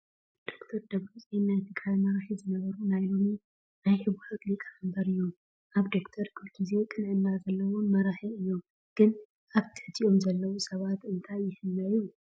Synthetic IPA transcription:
d̪̥o̞kt̪ʰɐɾd̪ɐβɾusʼennajt̪ʰɨɡajmɐɾaħizɨnɐβɐɾunajlo̞mi | najħɨβuħot̪likʼambɐɾɨjːo | ʔaβd̪o̞kt̪ʰɐɾkʰulkʰize̞kʼɨnʕɨnːazɐlːɐwo̞mɐɾaħiɨjːo̞ | ɡ̥ɨn | ʔaβt̪ʰɨ̥ħt̪ʰiʔo̞mzɐlːɐwusɐβat̪ɨnt̪ʰajjɪhɨnːɐju

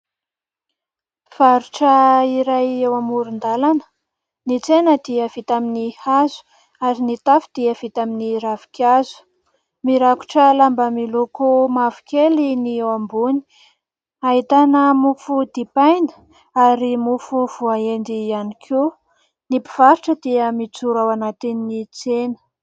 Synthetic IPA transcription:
v̥aɾuʈ͡ʂəiɾajewamuɾund̪alanə̥ | nit͡senəd̪iəv̥it̪aminihazu̥ | aɾinit̪afid̪̥iəv̥it̪aminiɾavi̥kʲazu̥ | miɾaku̥ʈ͡ʂəlambəmilukumavi̥kʲeliniewambuni̥ | ait̪anəmufud̪ipajnə̥ | aɾimufuv̥uaend̪ianikʰu | nipiv̥aɾiʈ͡ʂəd̪iəmit͡suɾawanat̪eninit͡senə̥

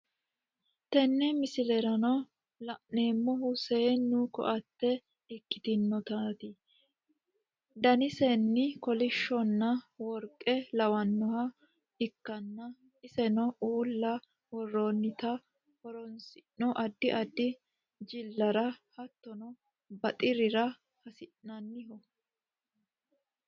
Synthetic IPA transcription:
t̪ɛnːɛmɪsɪlɛɾɐnɔ | lɐʔneːmːɔɦʊseːnːʊkɔ̰ʔɐt̪ːɛ | ɪkːɪ̥t̪ɪnːɔt̪aːt̪ɪ | d̪ɐnɪsɛnːɪkɔlɪʃːɔnːɐwɔɾkʼːɛlɐwɐnːɔhɐ | ɪkːɐnːɐ | ɪsɛnɔʔuːlːɐ | wɔrːoːnːɪt̪ɐ | hɔɾɔnsɪʔnɔʔɐd̪ːɪʔɐd̪ːɪ | d͡ʒɪlːɐɾɐhɐt̪ːɔnɔ | bɐt̪ʼɪɾɪɾɐ | hɐsɪʔɐnːɪɦɔ

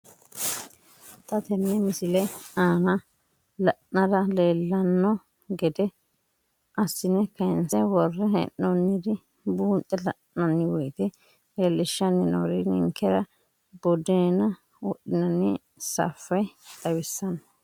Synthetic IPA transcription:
t̪ɐt̪ɛnːɛmɪsɪlɐaːnɐ | lɐʔnɐd̪ɐleːlːɐnːɔ | ɡɛd̪ɛ | ʔɐsːɪnɛkɐɛnsɛwɔrːɛnɛ̰ʔːɔnːɪd̪ɪ | buːnt̪ʼːɛlɐ̰ʔːɐnːɪwɔjt̪ɛ | leːlːɪʃːɐnːɪnɔ̰ɾɪnɪ̰ŋkːɛɾɐ | bɔd̪ɛnɐ | wɔɗɪnɐnːɪ | sɐ̰fːɐjt̪ʼɐwɪsːɐnɐ

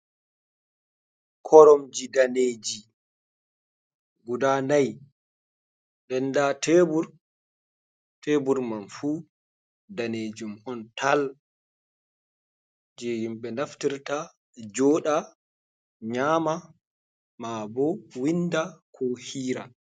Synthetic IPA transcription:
kʰɔɾɔmd͡ʒidaneːd͡ʒi | ɡudanaj | ɗɛndatebuɾ | tebuɾmanfu | daned͡ʒumhɔntal | d͡ʒɛjimɓɛnaftiɾta | d͡ʒɔːɗa | ɲaːma | mabɔwindakʰɔhiːɾa

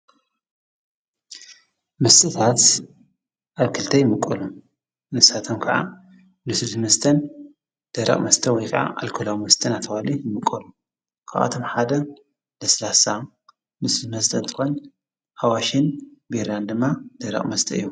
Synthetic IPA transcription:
mɨst̪ʼɨt̪ʰat̪ | ʔaβkʰɨlt̪ʰɐjɪmɨkʼːɐlu | nɨsat̪ʰomkʰɐʕa̰ | nɨsɨt̪mɐst̪ʰɐn | d̪̥ɐɾɐ̰χʼmɐst̪ʰɐwɔjkʰʼa̰ʔa̰lkʰulawmɐst̪ʰɐnat̪ʰːɐwalijɪmɨkʼːɐlu | kʰa̰ʔʔa̰t̪ʰo̞mħad̪ɐ | nɐslasa | nɨsɨd̪mɐst̪ʰɐnt̪ʰɨ̥xon | hawaʃɪnbiɾand̪ɨmːad̪̥ɐɾɐ̰χʼmɐst̪ʰɐ̰ɨjːu

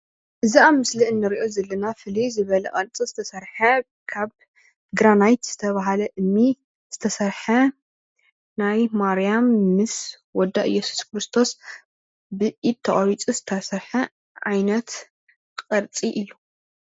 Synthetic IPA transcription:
ʔɨziamɨsliʔɨnːɨɾiʔo̞zɐlːɐnafɨlejzɨβɐlɐqʼɐɾt͡sʼizɨt̪ʰɐsɐɾħɐ | kʰaβ | ɡɾanajt̪z̥ɨt̪ʰɐβaɦalɐʔɨmːi | z̥ɨt̪ʰɐsɐɾħɐ | najmaɾijamːɨs | wɔd̪ːaʔɨ̰jːɛsu̥skɾɨst̪ʰo̞s | bɨʔid̪̚t̪ʰːɐʔʼɐɾit͡sʼizɨt̪ʰɐsɐɾħɐ | ʕajnɐt̪ | qʼɐɾt͡sʼiʔɨlu

